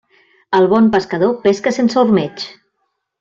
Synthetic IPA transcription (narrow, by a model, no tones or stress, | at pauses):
əlˠβɔmpəskəð̞opeskəsensurmet͡ʃ